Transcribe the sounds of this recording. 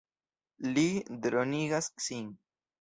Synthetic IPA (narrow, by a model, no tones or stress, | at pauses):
lid̪ɾoniɡasːin